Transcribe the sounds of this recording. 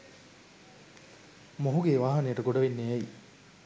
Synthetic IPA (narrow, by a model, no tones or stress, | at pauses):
moɦuɡeːʋaːɦɐnejəʈəɡoɖɐʋenːeæi